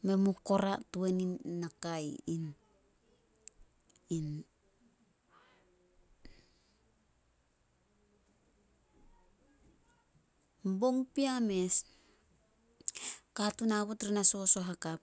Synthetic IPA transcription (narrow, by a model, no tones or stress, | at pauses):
me̞muko̞ɾatueninːakajn | in | mbo̞ŋpiame̞s | katunaβotɾinaso̞so̞ɦakap̚